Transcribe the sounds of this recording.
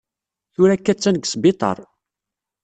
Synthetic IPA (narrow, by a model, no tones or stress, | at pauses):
θʊɾækːæt͡sːænəɡsbet̪ˤɑ̰ɾˤ